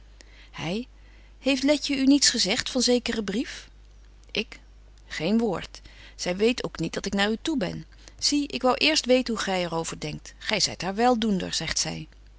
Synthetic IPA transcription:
hɛj | hejftlɛcəynitsχəzɛχtfɑnzejkərəbrif | ʔɪk | χejnʋoːɹt | z̥ɛjʋejtowknit̚dɑtɪknaːɹytubɛ̰n | z̥iɪkʋɑwʔɪːɹstʋejtənɦuχɛjɛrowvəɹdɛŋk̚tχɛjzɛ̰jtɦaːɹʋɛlˠdundə̰ɹz̥ɛχtsɛ̰j

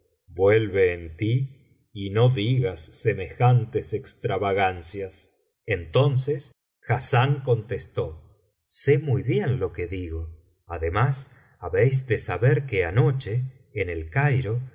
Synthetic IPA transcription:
bwelβeːnt̪iː | noðiɣasːemexant̪esekst̪ɾaβaɣansjas | ent̪onses | xasaŋko̞nt̪est̪o̞ | semujβjenlo̞keðiɣo̞ | aðemas | aβejs̬d̪esaβeɾkeano̞t͡ʃeː | nelkajɾo̞

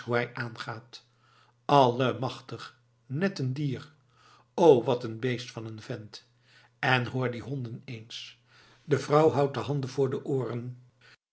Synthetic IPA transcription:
ɦuɦɛjʔaːnχaːt | ɑləmɑχtəχ | nɛtəndiːr | owʋɑtənbejstfɑnənvɛnt | ɛnɦʊːɹdiɦɔndənejns | dəvrɑwɦɑwt̚dəɦɑndəvʊːɹdəʔoːrən

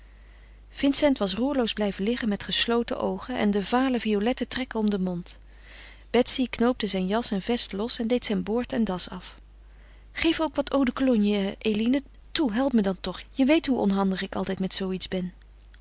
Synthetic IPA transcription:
v̥ɪnsɛntʋɑsruːɹlowzblɛjvəlɪχənmɛtχəslowtə̰ʔowχənʔɛ̰ndəvaːləviolɛtətrɛkənɔmdəmɔnt | b̥ɛtsiknowp̚təzɛjnjɑsɛnvɛstlɔsɛndejtsɛjnboːɹtɛndɑsɑ̰f | χejfowkʋɑtʰowdəkolɔnjəʔejlinə | tuɦɛlˠpmədɑntɔχjəʋejtɦuʔɔ̰nɦɑndəχɪkɑ̰lˠtɛjtmɛtsowitzbɛn

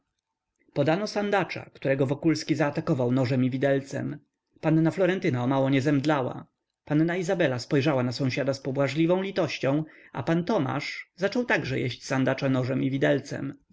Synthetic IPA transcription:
pɔd̪anɔsand̪at͡ʂa̰kt̪uɾɛɡɔvɔkulskʲizaːt̪akɔvawnɔʐɛmivʲid̪ɛlt̪sɛ̰m | panːaflɔɾɛnt̪ɘnaɔmawɔɲɛzɛmd̪lawa̰ | panːaizabɛlaspɔjʐawanasɔ̃w̃ɕad̪aspɔbwaʐlʲivɔ̃w̃lʲit̪ɔɕt͡ɕɔ̃w̃ | a̰pant̪ɔma̰ʂzat͡ʂɔwt̪aɡʐɛjḛɕt͡ɕsand̪at͡ʂanɔʐɛmivʲid̪ɛlt̪sɛ̰m

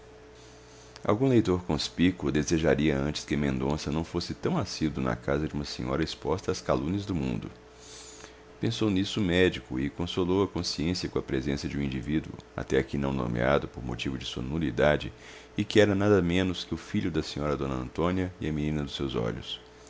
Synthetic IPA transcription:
ʔa̰wɡũlejt̪oɾkõspikʊd̪ezeʒaɾiɐɐ̃nt͡ʃɪ̥skɪɐmẽnd̪õsɐnɐ̃w̃fosɪt̪ɐ̃w̃asid̪ʊnɐ̰kazɐd͡ʒɪũmɐsẽɲɔ̰ɾɐispɔst̪ɐːskalũnɐzd̪ʊmṵ̃nd̪ʊ̰ | pẽsownisʊmɛd͡ʒikʊ̰ɪkõsolowɐkõsiẽsiɐkõɐpɾezẽsɐd͡ʒɪũĩd͡ʒivid̪uʊ̰a̰t̪ɛakinɐ̃w̃no̰mḛa̰d̪ʊpoɾmo̰t͡ʃivʊd͡ʒɪsuɐ̰nulid̪ad͡ʒɪ | ɪkɪɛɾɐnad̪ɐmẽnʊskɪʊfiʎʊd̪ɐsẽɲɔɾɐd̪õnɐɐ̰̃nt̪õniɐɪɐminĩnɐd̪ʊsewzɔ̰ʎʊs

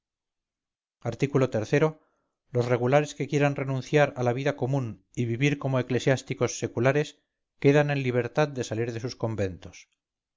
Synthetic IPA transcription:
aɾt̪ikulo̞t̪e̞ɾθe̞ɾo̞ | losre̞ɣ̞ulaɾe̞ske̞kje̞ɾanre̞nũn̟θjaɾalaβ̞iðako̞mũn | iβiβiɾko̞moe̞kle̞sjast̪iko̞sːe̞kulaɾe̞s | ke̞ðane̞nliβ̞e̞ɾt̪aðd̪e̞saliɾðe̞susko̞mbe̞nt̪o̞̥s

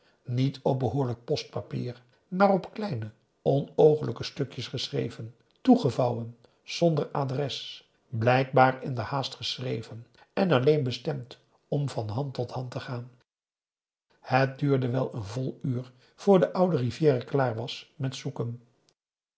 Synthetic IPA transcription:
nitʰɔp̚bəɦʊːɹlək̚pɔst̚papḭːɹ | maːrɔpklɛjnə | ɔnowχənləkəstɵkjəsχəsrḛjvən | tuχəvɑwən | z̥ɔndəɹaːdrɛs | blɛjk̚baːɹɪndəhaːstχəsrejvən | ɛnɑlejnbəstɛmt | ɔmvɑnɦɑntɔthɑntəχaːn | hət̚dyːɹdəʋɛlˠənvɔlˠyːɹ | v̥ʊːɹdəʔʌwdərivjɪːrəklaːɹʋɑsmɛtsukən

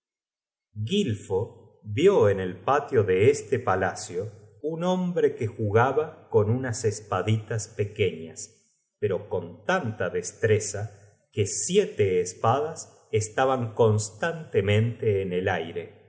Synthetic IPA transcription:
ɣilfo | βjo̞ene̞lpat̪jo̞ðeest̪epalasjo̞unõ̞mbɾe̞kexuɣaβako̞nunasespaðit̪aspe̞ke̞ɲas | peɾo̞ko̞nt̪ant̪aðest̪ɾesa | ke̞sjet̪eːspaðas | est̪aβaŋko̞nst̪ant̪emẽ̞nt̪eːnelajɾe̞

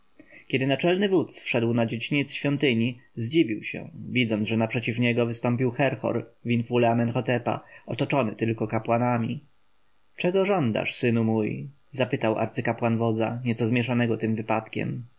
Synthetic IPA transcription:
kʲɛd̪ɘnat͡ʂɛlnɘvut̪sfʂɛd̪wnad͡ʑed͡ʑiɲɛt̪sɕfʲjɔnt̪ɘɲizd͡ʑivʲiwɕɛ̰vʲid̪zɔnd̪ʐɛnapʂɛt͡ɕifɲɛɡɔvɘst̪ɔmp̬ʲiwxɛɾxɔ̰ɾvʲinfulɛamɛnxɔt̪ɛpa̰ʔɔt̪ɔt͡ʂɔnɘt̪ɘlkɔkapwanamʲi | t͡ʂɛɡɔʐɔnd̪a̰ʂsɘnumuj | zapɘt̪awʔa̰ɾt̪sɘkapwanvɔd̪zaɲɛt̪sɔzmʲjɛʂanɛɡɔt̪ɘmvɘpat̪kʲɛ̰m

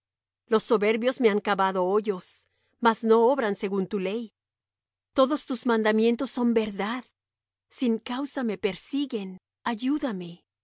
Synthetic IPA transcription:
lo̞sːo̞βe̞ɾβjo̞zme̞aŋkaβaðo̞oʝo̞s | mazno̞oβɾanse̞ɣunt̪ule̞j | t̪o̞ðo̞st̪uzmãnd̪amje̞nt̪osːo̞mbe̞ɾðað | siŋkawsame̞pe̞ɾsiɣe̞n | aʝuðame̞

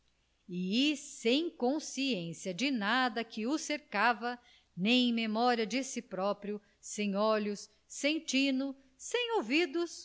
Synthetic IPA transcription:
iːsẽj̃kõsiẽsiɐd͡ʒɪnad̪ɐkɪʊseɾkavɐ | nẽj̃ẽj̃memɔɾiɐd͡ʒɪsɪpɾɔpɾjʊ | sẽj̃ɔlʊsː | ẽj̃t͡ʃĩnʊ | sẽj̃owvid̪ʊs

